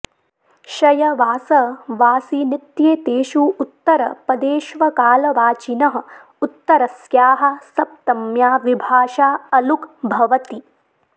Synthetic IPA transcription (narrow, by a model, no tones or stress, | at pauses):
ʃɐjɐʋaːsɐʋaːsinit̪jeːt̪eːʃuut̪ːɐɾɐpɐd̪eːʃʋɐkaːlɐʋaːt͡ʃinɐɦɐ̆ | ut̪ːɐɾɐsjaːɦɐ̆sɐp̚t̪ɐmjaːʋibʱaːʃaːɐlukbʱɐʋɐt̪i